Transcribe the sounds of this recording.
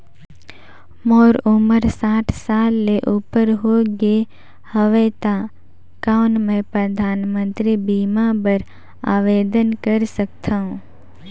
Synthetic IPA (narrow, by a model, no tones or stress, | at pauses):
moːɾʊməɾsaːʈʰsaːlːeʔuːpəɾɦoːɡe | həʋeːt̪a | kaːʊnmɛ̃pɾəd̪ʱaːnmə̃nt̪ɾibiːmabəɾ | a̰ːʋeːd̪ənkəɾsəkt̪ʰaɦũ